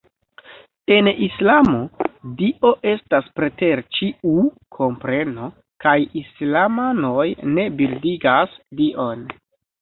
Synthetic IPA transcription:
e̞nislamodiʔo̞ʔe̞staspɾe̞te̞ɾt͡ʃiu | kʰo̞mpɾe̞no̞ | kajislamano̞jne̞bildiɡasdiʔo̞n

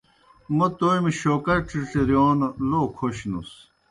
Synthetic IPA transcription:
mɐt̪oːjmiɕoːkɐɾʈiʈeɾijoːnloːkʰoɕnṵs

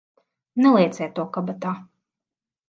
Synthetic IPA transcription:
nɛlˠiɛt̪sɛjt̪uɔkabat̪aː

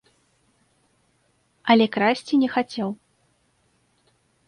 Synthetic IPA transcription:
ɐlʲɛkɾasʲt͡sʲinʲɛxat͡sʲɛw

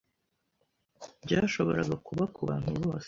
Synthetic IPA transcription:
bɟaːʃo̞βo̞ɾaɡakuβakuβaːn̥huβo̞ːs

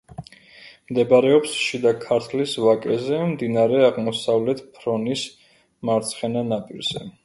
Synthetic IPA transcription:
md̪ɛbaɾɛɔpsʃid̪akʰaɾt̪ʰlisvakʼɛzɛmd̪inaɾɛaʁmɔsavlɛt̪ʰpʰɾɔnis | maɾt̪sʰχɛnanapʼiɾz̥ɛ

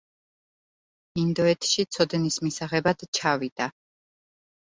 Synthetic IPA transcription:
ind̪ɔɛt̪ʰʃit̪sʰɔd̪nismisaʁɛbad̪̥t͡ʃʰavid̪̥a

